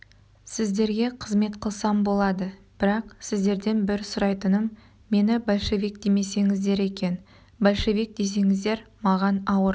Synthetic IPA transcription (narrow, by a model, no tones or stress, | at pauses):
sɪzd̪e̞ɾɡʲe̞qʰəzme̞t̪qʰəlˠsɑmbo̞lˠɑd̪əb̥ɪɾɑqsɪzd̪e̞ɾd̪e̞nbɪɾsʊɾɑjt̪ənəmː | e̞nɪbolʲʃe̞vik̚d̪eme̞se̞ŋɪzd̪e̞ɾe̞kʲe̞n | bolʲʃe̞vik̚d̪e̞s̬e̞ŋɪzd̪e̞ɾmɑʁɑnɑwəɾ